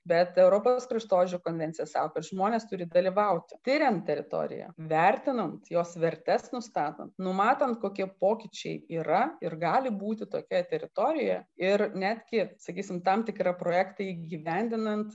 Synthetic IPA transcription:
bʲɛt̪ɛʊɾoːposkɾʲɪʃt̪oːʒʲʊkoːnʲʋʲɛnʲt̪t͡ssʲɪjɛsɑ̰ːkokɐt̪ʒmoːnʲeːst̪ʊɾʲɪd̪ɐlʲiʋɐʊt̪ʲɪ̥t̪ʲɪɾʲɛnt̪t̪ʲɛɾʲɪ̰t̪o̰ːɾʲɪ̰jɛ̰ʋʲɛɾʲt̪ʲɪnɐnt̪joːsʋʲɛɾʲt̪ʲɛsnʊst̪ɑːt̪o̰nt̪nʊmɑːt̪ɐnt̪koːkʲiɛpoːkʲɪt͡ʃʲɛɪiːɾɐɪrɡɑːlʲɪbuːt̪ʲɪt̪o̰ːkʲɛt̪ʲɛɾʲɪt̪oːɾʲɪjɛjɪrnʲæːd̪ʲɡʲɪsɐkʲiːsʲɪmt̪ɑmt̪ʲɪkɾɐpɾoːjɛːkt̪ɐiːɡʲiʋʲɛnʲd̪ʲɪnɐnt̪

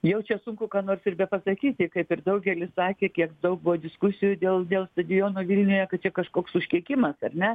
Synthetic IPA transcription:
jɛʊt͡ʃʲɛsʊŋkʊkɑːnoːrsɪrbʲɛpɐsɐkʲiːt̪ʲɪkɐɪpɪrd̪ɐʊɡʲɛlʲɪssɑːkʲeːkʲiɛkd̪ɐʊk̚bʊʋoːd̪ʲɪskʊsʲɪjʊd̪ʲeːlˠd̪ʲeːlˠst̪ɐd̪ʲɪjoːnoːʋʲilʲnʲʊjɛkɐt̚t͡ʃʲɛkɐʃkoːksʊʃʲkʲiɛkʲɪmɐsɐrʲnʲɛ

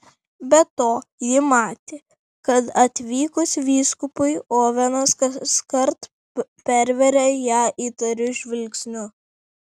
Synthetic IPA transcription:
bʲɛt̪oːjɪmɑːt̪ʲeː | kɐt̪ɐt̪ʲʋʲiːkʊsʋʲiːskʊpʊɪoːʋʲɛnɐskɐskɐɾt̪ | pʲɛɾʲʋʲɛɾʲɛjæːʔiːt̪ɐɾʲʊʒʲʋʲɪlʲksʲnʲʊ

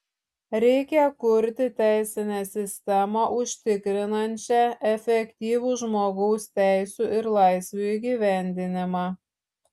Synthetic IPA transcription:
ɾʲɛɪkʲɛkʊɾʲt̪ʲɪt̪ʲæˑɪsʲɪnʲeːsʲɪsʲt̪ʲɛmɑʔʊʃʲt̪ʲɪkɾʲɪnɐnʲt͡ʃʲɛɛfʲɛkʲt̪ʲiːʋuːʒmoːɡɔʊst̪ʲæɪsʲuːʔɪɾlˠɑɪsʲʋʲuiɡʲiːʋʲæˑnʲd̪ʲɪnʲɪmɑː

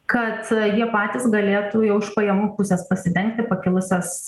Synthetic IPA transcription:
kɐt̪jiɛpɑːt̪ʲɪsɡɐlʲeːt̪uːjɛʊɪʃpɐjɛmuːpʊsʲɛspɐsʲɪd̪ʲɛŋk̚t̪ʲɪpɐkʲɪlˠʊsʲɛs

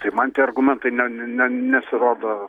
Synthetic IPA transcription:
t̪ɐɪmɐnt̪ʲieɐrɡʊmʲɛnt̪ɐɪnʲɛnʲɛnʲɛnʲɛsʲɪɾoːd̪o

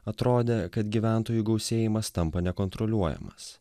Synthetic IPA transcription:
ɐt̪ɾoːd̪ʲekɐt̪ɡʲiʋʲæˑnˑt̪oːjuːɡɒʊsʲeːjɪmɐst̪ɐmpɐnʲɛkɔnt̪ɾɔlʲuɔjɛ̰mɐ̰s

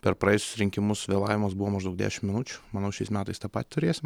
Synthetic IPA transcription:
pʲɛɾpɾɐjɛɪsʲʊ̥sɾʲɪŋʲkʲɪmʊssʋʲeːlˠɑːʋʲɪmɐsbuʋoːmɐʒd̪ɐʊɡd̪ʲæ̰ːʃʲɪmmʲɪnʊt͡ʃʲʊmɐnɐʊʃʲɛɪsmʲæːt̪ɐɪst̪ɑːpɑːt̪ʲt̪ʊɾʲeːsʲɪm

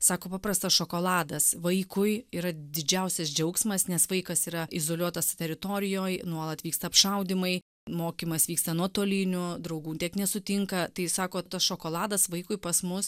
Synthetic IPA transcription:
sɑːkoːpɑːpɾɐst̪ɐsʃoːkoːlˠɑːd̪ɐsʋɐɪkʊɪiːɾɐd̪ʲɪd͡ʒʲɛʊsʲɛsd͡ʒʲɛʊksmɐsnʲɛsʋɐɪkɐsiːɾɐɪzoːlʲuɔt̪ɐssʊt̪ʲɛɾʲɪt̪oːɾʲɪjoːjnuɔlˠɐt̪ʋʲiːkst̪ɐːpʃɐʊd̪ʲɪmɐɪ | moːkʲiːmɐsʋʲiːkst̪ɐnuɔt̪oːlʲinʲʊd̪ɾɐʊɡuːntʲiɛknʲɛsʊt̪ʲɪŋkɐt̪ɐɪsɑːkoːt̪ɐsʃoːkoːlˠɑːd̪ɐsʋɐɪkʊɪpɐsmʊs

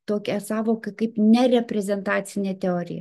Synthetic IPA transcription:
t̪oːkʲɛsɑːʋoːkɐkɐɪpnʲɛɾʲɛpʲɾʲɛzʲɛnt̪ɑːt̪t͡s̪ʲɪnʲeːt̪ʲɛoːɾʲɪ̰jɛ̰

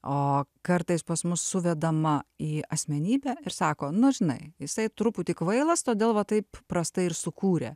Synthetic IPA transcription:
oːkɐrt̪ɐɪspɐsmʊsːʊʋʲɛd̪ɐmɐiːɐsʲmʲɛnʲiːbʲæɪɾsɑːkoːnʊʒʲɪnɐ̰ɪjɪsɐɪt̪ɾʊpʊt̪ʲɪkʋɐɪlˠɐst̪oːd̪ʲeːlˠʋɐt̪ɐɪppɾɐst̪ɐɪɪɾsʊkuːɾʲḛ

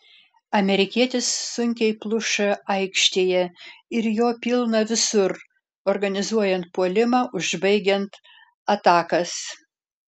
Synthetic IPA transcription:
ɐmʲɛɾʲɪkʲiɛt̪ʲɪsːʊŋʲkʲɛɪplˠʊʃɐɐɪkʃʲt̪ʲeːjɛɪɾjoːpʲɪlˠnɐʋʲɪsʊɾ | ɔɾɡɐnʲɪzuɔjɛnt̪̚puɔlʲɪmɑːʔʊʒbɐɪɡʲɛnt̪ | ɐt̪ɑːkɐs

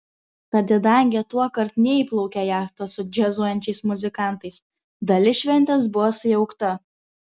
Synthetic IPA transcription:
t̪ɐd̪ʲɪd̪ɐˑŋʲɡʲɪt̪uɔkɐɾt̪nʲɛiːˑplˠɒʊkʲɛjæːxt̪ɐsʊd͡ʒʲɛzuɔjɛnʲt͡ʃʲɛɪsmʊzʲɪkɑˑnt̪ɐɪs | d̪ɐlʲɪʃʲʋʲɛnʲt̪ʲɛs̬bʊʋosʊjɛʊkt̪ɐ

